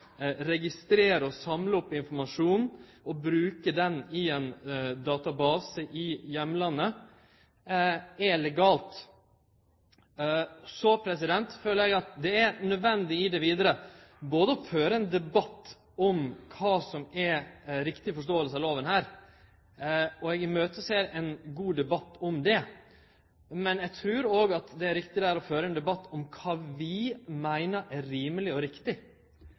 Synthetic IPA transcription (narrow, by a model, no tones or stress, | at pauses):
ɾɛɡɪst̪ɾeːɾəɔsɑmləɔpːɪnfɔɾmɑʂuːnn̩ɔbɾʉːkəɖ̪ɛnɪɛnd̪ɑːt̪ɑbɑːsəʔɪjɛmːlɑnːə | ɛlɛɡɑːlt̪ | sɔpʰɾɛsɪd̪ɛnt̪føːləɾjæɡɑt̪d̪ɛænœd̪ʋɛnd̪ɪɪd̪ɛʋiːd̪əɾəboːd̪əɔføːɾəɛnd̪ɛbɑt̪ː | ɔmkʰɑːsɔmɛɾɪkt̪ɪfɔʂ̬t̪oːəlsəɑloːʋənhæːɾ | ɔɛɡɪmøːt̪əseːɾɛnɡuːd̪ɛbɑt̪ːɔmd̪ɛ | mɛnjɛɡt̪ʰɾʉːɾoːɡɑt̪d̪ɛæɾɪkt̪ɪd̪æːɾɔføːɾəɛːnd̪ɛbɑt̪ːɔmkʰɑːʋɪmæɪnəɾʔæɾiːməlɪɔɾɪkt̪ɪ